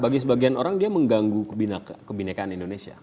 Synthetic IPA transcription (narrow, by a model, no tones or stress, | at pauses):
baɡisəbaɡianoɾaŋdiaməŋɡaŋɡubinakkəbinakaːnindonesia̰